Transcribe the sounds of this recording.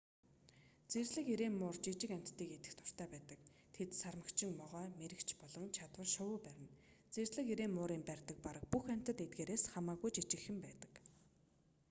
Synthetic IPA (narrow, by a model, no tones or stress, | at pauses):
t͡sersɮɘ̆kiɾeːnːʊːrt͡ɕit͡ɕɪ̆kæm̥ʲt̪ːiːket̪ɘ̆xt̪ʰʊ̥r̥t̪æːpæːt̪ə̆k | t̪ʰet̪sarmə̆kt͡ɕʰɪ̆ŋmɔʁœːmeɾɘ̆kt͡ɕpɔɮɞ̆ŋt͡ɕʰat̪wə̆rʃʊwʊːpæɾʲɪ̆n | t͡serɮɘ̆kiɾeːmmʊːɾiːmpærʲt̪ə̆k̚paɾə̆k̚puxæm̥ʲt̪ə̆t̪et̪̚ɡeːɾeːsχamaːɣujt͡ɕit͡ɕɪ̆xɘ̆mpæːt̪ə̥̆k